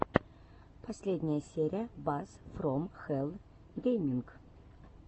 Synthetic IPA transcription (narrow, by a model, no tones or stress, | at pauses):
pʰɐsʲlʲedʲnʲɪjəsʲeɾʲɪjəbasfromxɛlˠ | ɡʲejmʲiŋk